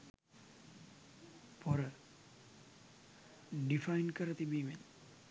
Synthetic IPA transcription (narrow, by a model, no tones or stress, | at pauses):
pɔɾə | ɖifajnkəɾət̪ibiːmen